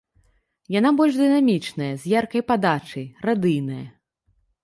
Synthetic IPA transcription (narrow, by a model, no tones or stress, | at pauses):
jan̪abɔlʲʐd̪ɨnamʲit͡ʂnɐjɐzʲjarkɐjpad̪at͡ʂɐjrad̪ɨjnɐjɐ